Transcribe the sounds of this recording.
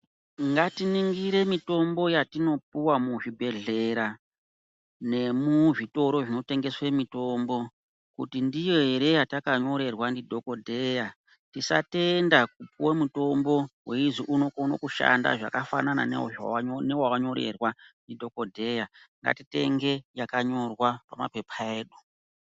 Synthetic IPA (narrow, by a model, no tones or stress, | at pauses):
ŋɡatiniŋɡiɾe̞mito̞mbo̞jatino̞p̚uwamuʐibʱe̞ɮe̞ɾa | ne̞muʐito̞ɾo̞ʐino̞te̞ŋɡe̞swemito̞mbo̞ | kṵtindijoeɾe̞jatakaɲo̞ɾe̞rwandidʱo̞ko̞dʱe̞ja | tisa̰te̞ndak̚upuwamuto̞mbo̞we̞iziʔunokono̰kuʃa̰nda̰ʐa̰kafa̰nana̰n | newawaɲo̞ɾe̞̰rwandidʱo̞ko̞dʱe̞jaŋɡa̰tite̞̰ŋɡe̞jakaɲo̞rwapama̰pe̞pʰae̞ːɗu